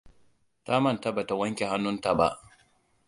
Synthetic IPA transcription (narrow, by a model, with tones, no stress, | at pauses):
ta˦mɐ˦˨nta˦ba˨ta˨wɐ˦ŋkʲe˨ɦa˦nːʊ˦nta˨ba̰˦ʔ